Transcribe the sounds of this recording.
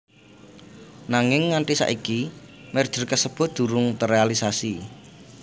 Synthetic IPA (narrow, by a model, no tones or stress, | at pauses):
naŋɪŋːaɳʈisa̰ʔikimɛrd̥ʒ̥ə̤rkəsəb̥ʊ̤d̪̥ṳɾʊŋt̪ərealisasi